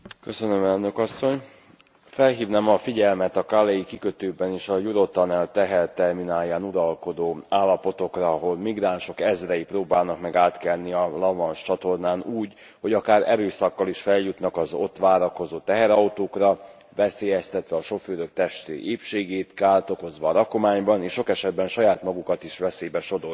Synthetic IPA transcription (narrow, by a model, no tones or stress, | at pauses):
kø̞sønømɛlnø̞kɒsːoɲ | fɛlɦiːvnamɒfiɟɛlmɛt̪ɒkaːlɛjikikøt̪øːbɛniːʃɒjuɾo̞t̪ɒnɛlt̪ɛɦɛrt̪ɛrminaːjːaːnuɾɒlko̞d̪oːaːlːɒpo̞t̪o̞krɒːɦo̞lmiɡraːnʃo̞kɛzrɛjiproːbaːlnɒkmɛɡaːt̪kɛlniɒlɒvɒnʃt͡ʃɒt̪o̞rnaːnuːɟ | ho̞ɟɒkaːɾɛɾøːsɒkːɒliʃfɛljut̪nɒkɒzot̪ʋaːɾɒko̞zoːt̪ɛɦɛɾɒwt̪oːkrɒ | vɛseːjɛst̪ɛt̪ʋɛɒʃo̞føːɾøk̚t̪ɛʃt̪ḛːʔeːpʃeːɡeːt̪kaːlt̪o̞ko̞zʋɒːɾɒko̞maːɲbɒneːʃʃo̞kɛʃɛd̪bɛnʃɒjaːt̪mɒɡukɒt̪iʃʋɛseːbɛʃo̞d̪o̞